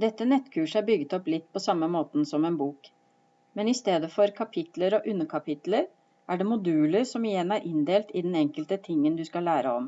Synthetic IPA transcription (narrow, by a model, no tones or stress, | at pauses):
d̪ɛt̪ːənɛt̪ːkʰʉːʂəæɾbʏɡːət̪ɔplɪt̪ːpʰɔsɑmːəmoːt̪n̩sɔmɛːnbuːk | mɛnɪst̪eːd̪əfɔɾkʰɑpʰɪt̪ləɾɔʔʉnːəkʰɑpɪt̪ləɾ | ʔæɖɛmʊd̪ʉːləɾsɔmɪjɛnːæɾʔɪnd̪eːlt̪ɪd̪ɛnɛŋkəlt̪ət̪ʰɪŋːənd̪ʉskɑlæːɾəɔm